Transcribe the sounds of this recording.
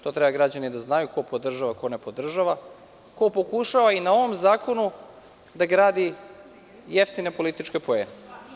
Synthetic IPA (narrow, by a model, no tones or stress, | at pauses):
t̪o̞t̪ɾebaɡɾad͡ʑanid̪aznajuko̞po̞d̪r̩ʒaʋako̞ne̞po̞d̪r̩ʒaʋa | ko̞po̞kuʃaʋainao̞ʋo̞mzaːko̞nu | d̪aɡɾaːd̪i | jeft̪ine̞po̞lit̪it͡ʃkepoeme